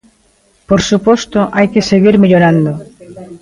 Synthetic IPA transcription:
poɾsupɔst̪ʊʔajkeseɣiɾmeʎoɾand̪o

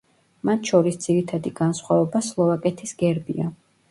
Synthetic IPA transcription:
mat̪ʰʃɔɾisd̪z̥iɾit̪ʰad̪iɡansχwavɛbaslˠɔvakʼɛt̪ʰisɡɛɾbḭa

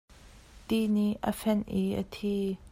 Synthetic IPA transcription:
t̪iniʔə̰fɛnʔiə̰t̪ʰi

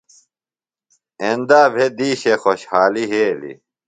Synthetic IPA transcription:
end̪aːbʱed̪iːɕexoɕhaːliɦeːlḭ

